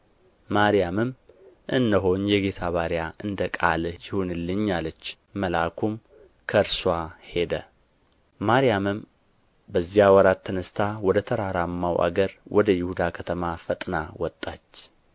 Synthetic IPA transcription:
maɾijamɨmʔɨnːəɦo̞ɲjɛɡe̞t̪ʰaβaɾijaʔɨnd̪əkʼaljɪhunɨlːɨɲːalət͡ʃː | əlakʰum | kʰəɾswahe̞d̪ə | maɾijamɨm | bəzːjawɔɾat̪t̪ʰːənəst̪ʰawɔd̪ət̪ʰəɾaɾamːawʔa̰ɡəɾwʔɔd̪əjɪhud̪akʰət̪ʰəmafət̪ʼnawɔt̪ʼːat͡ʃː

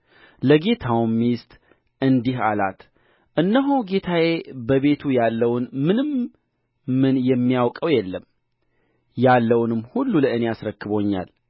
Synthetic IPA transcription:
ləɡe̞t̪ʰawmːijɪst̪ʼ | ʔɨnd̪iɦala̰t̪ | ʔɨnːəɦoɡe̞t̪ʰaje̞bəβe̞t̪ʰujalːəwnmɨnɨm | mɨnjɛmːijawkʼəwjɛlːəm | jalːəwnɨmːhulːuləɨne̞asɾəkːɨβoɲːa̰l

